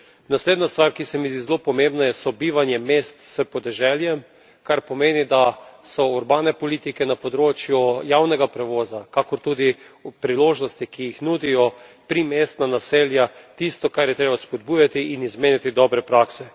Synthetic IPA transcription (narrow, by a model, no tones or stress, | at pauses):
nasleːd̪nast̪ʋaɾkisɛmizd̪izɛlopɔmẽmbnajɛsɔbiːʋanjɛmest̪səpɔd̪ɛʒɛljɛm | kaɾpɔmeːnid̪asɔuɾbaːnɛpɔliːt̪ikɛnapɔd̪ɾoːt͡ʃjujawnɛɡapɾɛʋɔːzakakɔɾt̪uːd̪ipɾiloːʒnɔst̪ikijixnuːd̪ijɔpɾimeːst̪nanaseːljat̪ist̪ɔkaɾjɛt̪ɾeːbaspɔd̪̚buːjat̪iʔinizmeːnit̪id̪ɔbɾɛpɾaksɛ